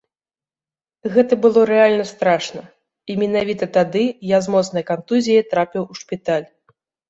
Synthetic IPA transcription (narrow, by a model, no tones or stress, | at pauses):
ɣɛt̪ɐbɨlˠɔɾɛalʲnɐst̪ɾaʂnɐ | imʲɛnavʲit̪ɐt̪ad̪ɨjazmɔt̪snɐjkant̪uzʲijit̪ɾapʲiwuʂpʲit̪alʲ